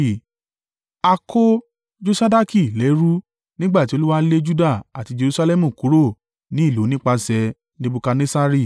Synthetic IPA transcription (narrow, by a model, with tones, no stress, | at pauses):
a˧kʰo˦ | d͡ʒo˦sa˦da˦ki˦˨lɛ˨˦ɾu˦ | nĩ˦ɡ͡ba˦˨ti˨˦o˧lu˦wa˦le˦d͡ʒu˦da˦˨a˨ti˧d͡ʒe˧ɾu˧sa˧lɛ˦mũ˨ku˨˦ɾo˦˨ | nĩ˦i˦˨lo˨˦nĩ˦k͡pa˧sɛ˧ | nĩ˦bu˧ka˧ne˦sa˦ɾi˦˨